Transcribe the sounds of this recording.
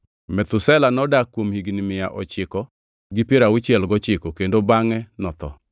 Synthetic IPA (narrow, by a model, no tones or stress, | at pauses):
mɛt̪ʊsɛlanɔdakːwomhiɡnɪmɪjaʔɔ̰t͡ʃɪkɔ | ɡɪpeɾaʊt͡ʃɪɛlɡɔt͡ʃɪkɔkendobaŋɛnɔt̪ɔ̰